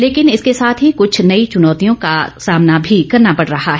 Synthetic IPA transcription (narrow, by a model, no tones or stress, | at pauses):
leːkɪnɪskesaːt̪ʰɦikʊt͡ʃʰnɐit͡ʃʊnɔːt̪ijõkasaːmnabʱikɐɾnapɐɽɾɐɦaɦɛ